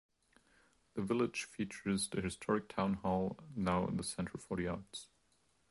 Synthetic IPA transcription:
ðɨvɪlˠɪd̥ʒ̥fit͡ʃə˞zðɨhɨstʰɔɹɨk̚tʰãʊ̃nhɔlˠnaʊɪ̰̃nðəsɛ̃ntʰɹ̩fɔɾiɑɹts

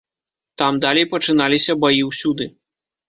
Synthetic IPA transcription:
t̪amd̪alʲejpɐt͡ʂɨn̪alʲisʲɐbajiwsʲud̪ɨ

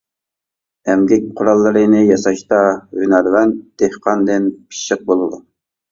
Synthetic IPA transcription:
ɛmɡʲɛk̚ʲqʰʊɾɑlˠːɨɾɨnɨjɑsɑʃt̪ɑhynæɾvɛnd̪̥ehqʰɑnd̪ɪnpʰi̥ʃːəq̚bolˠɨd̪u

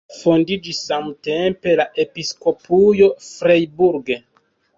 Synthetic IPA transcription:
fondid͡ʒisːamte̞mpe̞laʔe̞pisko̞pujo̞fɾejbuɾɡe

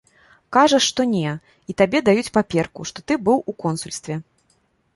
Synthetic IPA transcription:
kaʐɐʂːt̪ɔnʲɛ | it̪abʲɛd̪ajut͡sʲpapʲɛrkuʂt̪ɔt̪ɨbɨwukɔnsulʲst̪vʲɛ

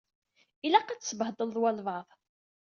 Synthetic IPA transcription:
ilæqat͡ssəbəhd̪ˤəlðˤwælvəðˤ

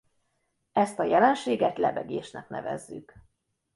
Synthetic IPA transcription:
ɛst̪ɒjɛlɛnʃeːɡɛt̪lɛbɛɡeːʃnɛknɛvɛ̰zːyk

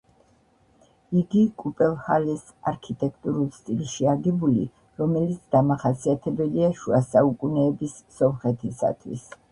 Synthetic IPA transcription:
iɡikʼupʼɛlˠhalɛs | aɾkʰit̪ʼɛkʰt̪ʼuɾulˠst̪ʼilˠʃiaɡɛbulḭ | ɾɔmɛlit̪sʰd̪̥amaχasiat̪ʰɛbɛliaʃuasaukʼunɛːbisːɔmχɛt̪ʰisa̰t̪ʰwḭs

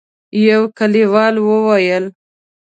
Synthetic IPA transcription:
jawkaliwɑlwəwajəl

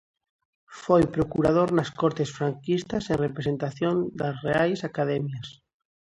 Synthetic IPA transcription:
fojpɾokuɾað̞oɾnaskoɾt̪esfɾaŋkist̪asenrepɾese̞nt̪aθjond̪asreajsakaðemjas

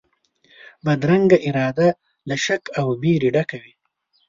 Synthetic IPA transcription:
bad̪ɾaŋɡaʔɪɾɑd̪a | laʃakawbiɾiɖakawi

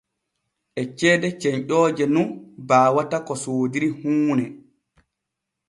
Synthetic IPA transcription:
ʔɛt͡ʃɛːdɛt͡ʃɛɲʔɔːd͡ʒɛnunbaːwatakɔsoːdiɾihuːnɛ

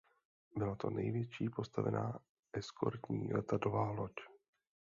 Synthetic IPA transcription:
bɪlat̪o̞̰nɛjvjɛt͡ʃiːpo̞st̪avɛ̰nʔaː | ʔɛskʰo̞̰ɾt̪ɲiːlɛt̪adovaːlo̞c

